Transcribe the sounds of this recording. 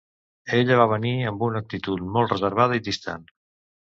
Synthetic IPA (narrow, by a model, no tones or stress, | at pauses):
eʎəβ̞aβ̞əniəmbunək̚t̪it̪ut̪mɔlˠt̪rəzəɾβ̞að̞əid̪ist̪a̰n